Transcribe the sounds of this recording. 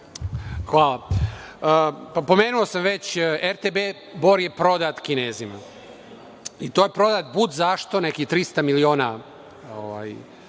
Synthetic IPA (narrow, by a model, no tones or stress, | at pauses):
xʋaːlˠaəpapo̞meːnuosamʋe̞t͡ɕeɾt̪ebe | bo̞ɾje̞pɾo̞d̪at̪kineːzima̰ | it̪ojepɾo̞d̪aːt̪̚bud̪zaʃt̪o̞nekit̪ɾist̪amilioːna | oʋa̰ːj